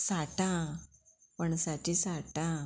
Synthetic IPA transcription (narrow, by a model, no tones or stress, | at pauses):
saʈã | pəɳsat͡ɕisaʈã